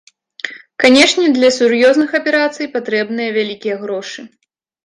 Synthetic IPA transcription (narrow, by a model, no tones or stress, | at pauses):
kanʲɛʂnʲɛd̪lʲɐsʲuɾjɔznɨxɐpʲɛɾat̪sɨjpat̪ɾɛbn̪ɨjɐvʲalʲikʲijɐɣɾɔʂɨ